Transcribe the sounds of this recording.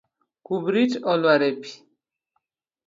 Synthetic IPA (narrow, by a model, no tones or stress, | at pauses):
kubɾit͡ʃɔlwaɾɛpi̥